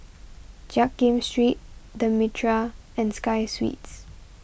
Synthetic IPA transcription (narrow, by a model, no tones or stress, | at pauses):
d͡ʒak̚ɡẽmstɹit̚dəmitʰɹaɛ̃nskajswḭts